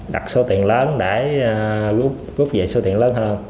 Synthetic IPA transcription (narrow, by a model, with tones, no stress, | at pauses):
ɗa̰˨˩k̚so˧t̪ḭ˧˨ənləː˨˦nɗe˧˩ | ɣu˦˥p̚ɣu˦˥p̚vḛ˨˩so˧t̪ḭ˧˨ənləː˨˦nhəː˧n